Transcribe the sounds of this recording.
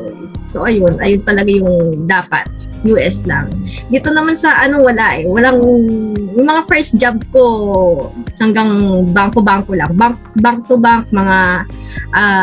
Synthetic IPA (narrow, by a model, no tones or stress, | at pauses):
ʔ | so̞ʔɐjonʔɐjont̪ɐlɐɡajʊŋd̪aːpɐ̰t̪̚ | juːʔɛsla̰ŋd̪it̪o̞nɐmansɐʔɐno̞wɐlaʔɛwɐlaŋ | jʊŋmɐŋafɛɹsd͡ʒab̚ko̞ | hɐŋɡaŋbaŋkobaŋko̞laŋbaŋk̚baŋt̪obaŋk̚mɐŋaʔa